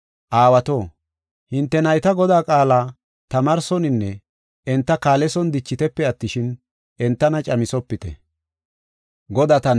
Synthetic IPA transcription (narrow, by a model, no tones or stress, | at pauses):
ʔaːwɐt̪o̞ː | hɪnt̪ːɛnɐjt̪ɐɡɔd̪aːkʼaːlaː | t̪ɐmɐɾsɔnɪnːɛ | ɛnt̪ːɐkaːlɛsɔnd̪ɪt͡ʃːɪt̪ɛpːɛɐt̪ːɪʃɪn | ʔɛnt̪ːɐnɐt͡ʃʼɐmɪsɔpːɪt̪ɛ̰ | ɡɔd̪aːt̪ɐ